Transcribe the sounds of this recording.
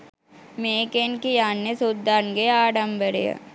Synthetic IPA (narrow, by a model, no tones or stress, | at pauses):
meːkenkijaːnːesud̪aːnɡeaːɖɐmbəɾḛjɐ̰